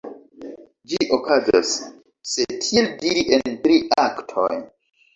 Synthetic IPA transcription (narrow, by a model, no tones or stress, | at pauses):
d͡ʒiʔokaza̰sː | e̞tʰieldiɾiʔenntɾiʔaktʰo̰j